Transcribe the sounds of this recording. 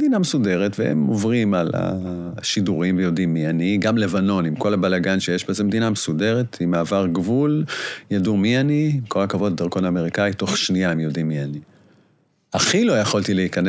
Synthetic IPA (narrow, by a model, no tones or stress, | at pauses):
dinamesude̞ʁetvehḛmovʁimala̰ | ʃiduʁimvejo̞dimːianiɡamle̞vano̞nimko̞labalaɡanʃejeʃbezemdinamesude̞ʁetimaːvaʁɡvuljadumianiko̞lakavo̞ddaʁkonaːme̞ʁikaito̞χʃniaemjo̞dimːiani | aχilo̞jaχoltileikane